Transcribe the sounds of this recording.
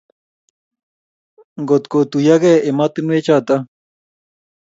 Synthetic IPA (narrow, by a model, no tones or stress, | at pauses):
ɡot̪kot̪ujaɡeemat̪ɨnuet͡ʃat̪a